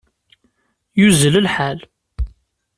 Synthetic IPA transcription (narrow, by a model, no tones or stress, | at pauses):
juzələlħal